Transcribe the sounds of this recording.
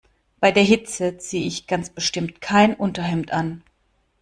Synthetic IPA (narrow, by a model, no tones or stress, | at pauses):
b̥aɪdeːɐɦɪt͡sət͡seːəɪçɡ̥ant͡sb̥əʃtɪmtkʰaɪnʔʊntɐɦɛmtʔan